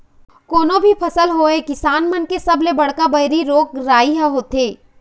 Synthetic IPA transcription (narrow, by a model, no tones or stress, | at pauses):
koːnõbʱipʰɐsəlɦoːekɪsaːnmɐnkesɐblebɐɽ̤kabɐɪɾiɾoːk̚ɾaːiɦɛɦoːt̪eː